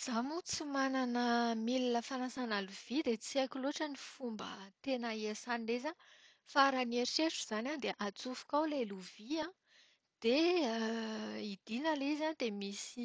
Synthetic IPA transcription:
z̥amut͡simananəmilinəfanasanaluv̥id̪et͡siakuloʈ͡ʂənifumbə̰t̪enəesanileza | faɾanieɾʃeʈ͡ʂuz̥anad̪eʔat͡sufu̥kʲawlejluviã | d̪̥e | id̪̥inəlizad̪emisi

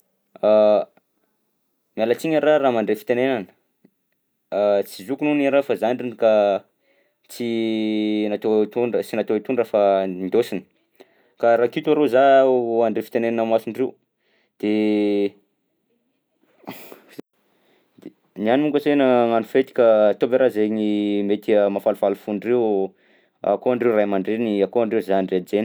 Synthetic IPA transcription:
a | mialət͡siɲəraraːmaɳɖ͡ʐefi̥t̪enenanə̥ | t͡sizukununiɾafazaɳɖ͡ʐinka | t͡si | nat̪ot̪uɳət͡sinat̪oit̪uɳɖ͡ʐafand̪osini̥ | kaɾakit̪uaɾezaoaɳɖ͡ʐefi̥t̪enenanamasuɳrew | d̪̥e | nianimuŋkəsenəŋanufet̪i̥kat̪obeɾazeŋimet̪iəmafalufalufuɳrew | a̰koaɳɖ͡ʐeurajmaɳɖ͡ʐeniakoaɳɖ͡ʐeuzanɖ͡ʐed͡zeni

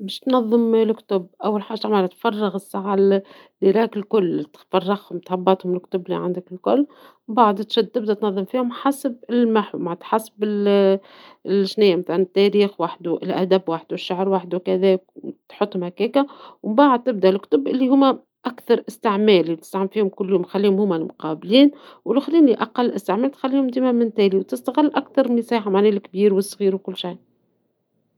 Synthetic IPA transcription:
bæːʃt̪nɑðˤːɨmlkt̪ʊbʔawːalħaːʒaʕmæːlæt̪fɑrˤːɑɣɪsːaʕa | lːiɾˤɑːkɪlkʊlːt̪fɑrˤːɑɣhʊmt̪ħɑbːɑt̪hʊmɪlkt̪ʊblːḭʕa̰nd̪ɪkɪlkʊlː | baʕd̪t̪ʃæd̪̚t̪ɪb̚d̪æt̪nɑðˤːɨmfiːhʊmħasb̚ɪlmaħwmaʕt̪ħasbɪl | lʒnæjːamat̪anɪt̪ːæɾiːxwaħd̪uʔlʔæ̰d̪æbwaːħd̪wɪʃːaʕɾwaːħd̪wkæðɛːk̚t̪ħʊt̪ˤːhʊmhækɛːkæwmbaːʕad̪̚t̪ːɪb̚d̪æʔlkʊ̥t̪ʊbʔɪlːihʊmːæ | ʔækθɑɾˤʔɪst̪ɪʕmɛːlit̪ɪ̥st̪aʕfiːhʊmkʊlːjuːmxælːihʊmhʊmːælmʊqɑːbliːn | wlʊxliːniʔɑqɑlːʔɪst̪ɪʕmæːlt̪xælːiːhʊmd̪iːmæmɪnt̪ɛːliwt̪ɪst̪aɣɪlːʔækθɑɾˤlisiːħamaʕnælkbiːɾwəsˤːɣiːɾwkʊlːʃaj

